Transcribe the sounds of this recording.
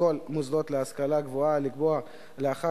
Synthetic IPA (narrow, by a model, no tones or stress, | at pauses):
o̞lmuzdo̞t̪leaskalaɡvoalikboa | leaχa